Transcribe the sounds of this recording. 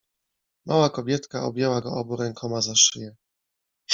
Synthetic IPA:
mʔa̰wakɔbʲjɛt̪kaɔ̰bʲjɛwaɡɔɔbuɾɛŋkʰɔmazaʂɘjɛ

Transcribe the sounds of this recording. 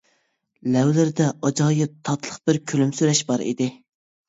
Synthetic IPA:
lɛwlɪɾɪd̪ɛʔɑd͡ʒɑːjɨt̪ʰɑt̪lˠəχbɪɾkʲʰylymsyɾɛʃbɑɾḭd̪ɪ

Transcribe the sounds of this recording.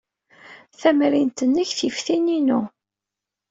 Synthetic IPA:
θæmɾint̪ənːəçθifθininu

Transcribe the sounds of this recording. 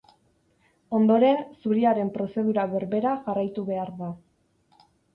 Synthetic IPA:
o̞nd̪o̞ɾe̞nsuɾiaɾe̞mpɾo̞se̞ð̞uɾaβe̞ɾβe̞ɾaʝarajt̪uβe̞aɾða

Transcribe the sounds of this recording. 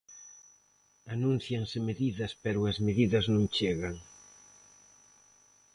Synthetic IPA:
anũn̟θjaŋsemeðiðɐspɛɾʊɐzmeðiðɐznũŋt͡ʃeɣaŋ

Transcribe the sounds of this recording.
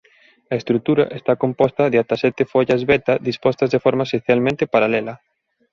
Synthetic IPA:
ɐest̪ɾut̪uɾɐ̰ʔest̪akompɔst̪ɐðɪat̪asɛt̪efoʎɐzβɛt̪ɐðispɔst̪ɐzðefɔɾmɐeseθjalmẽnt̪ɪpaɾalɛlɐ

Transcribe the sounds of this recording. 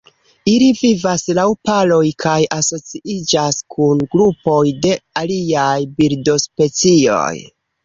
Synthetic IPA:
ilivivaslawpalo̞jkʰajaso̞t͡siʔid͡ʒaskʰunɡɾupo̞jde̞aliajbiɾdo̞spe̞t͡sio̞̰j

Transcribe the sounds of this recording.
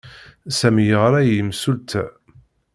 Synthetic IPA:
sæmijəʁɾˤæjəmsult̪ʰæ

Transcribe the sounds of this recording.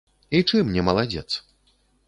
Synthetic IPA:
it͡ʂɨmnʲɛmɐlˠad͡zʲɛ̰t̪s

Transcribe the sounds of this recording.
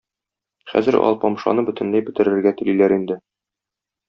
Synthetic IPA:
χæ̰zɘɾɒ̰lˠpɒmʃɑ̰nɤbɵ̆t̪ɘ̆nlæjbɘ̆t̪ɘ̆ɾɘ̆ɾɡæt̪ɘ̆lilæɾind̪ɘ

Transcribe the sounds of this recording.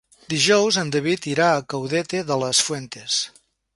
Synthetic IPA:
d̪iʒɔwzənd̪əβit̪iɾaəkəwðɛt̪eðələsfwent̪es

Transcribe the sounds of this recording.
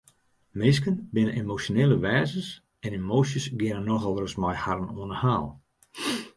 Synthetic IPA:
mɪskənbɪnənemosjoneːlˠəʋɛːzəs | ɛnemoːsjəsɡjɪnənːɔxɔlˠərəsmajhaɾənoənəhaːlˠ

